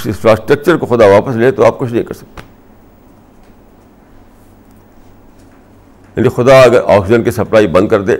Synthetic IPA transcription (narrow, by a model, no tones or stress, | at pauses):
ɪ̃nfɾaːsʈɾɐk̚t͡ʃəɾkoxʊd̪aʋaːpəsleːt̪oaːp̚kʊt͡ʃʰnɐɦĩkɐɾsɐ̥k̚t̪e̥ː | jaːnixʊd̪aɐɡəɾʔa̰ːksɪd͡ʒənkisɐplaːibɐ̃nd̪̚kɐɾd̪ẽː